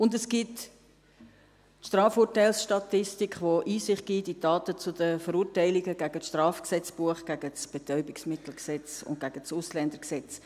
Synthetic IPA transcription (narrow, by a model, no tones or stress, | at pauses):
ʊndɛsɡ̥it | ʃtʁɑːfuːtaɪlsʃtɑtɪstikχʋoʔiːsɪχt̚ɡ̥iːtidɑːtət͡sʊdəfəɾuːtæɪliɡəɡ̥æɡ̥ət͡sʃtrɑːfksɛt͡sb̥uəχɡ̥æɡ̥ət͡sb̥ɛt̪œʏbɪksmɪtl̩ksɛt͡sʊ̰nt̚ɡ̥æɡ̥ət͡sʊslɛndəksɛt͡s